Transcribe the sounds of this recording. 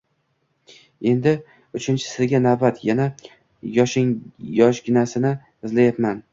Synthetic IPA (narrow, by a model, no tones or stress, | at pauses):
e̞nd̪ɪ | ʊt͡ʃʰɪnt͡ʃʰɪ̥sɪɾɡʲanavbat̪ʰjana | jɒʃɪŋjɒʃɡʲɪnasɪnɪ | ɪzlajat̪man